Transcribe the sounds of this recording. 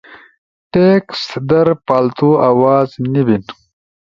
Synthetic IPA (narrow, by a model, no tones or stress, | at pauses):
ʈeːkst̪d̪ɐɾpaːlt̪uawɑːznibin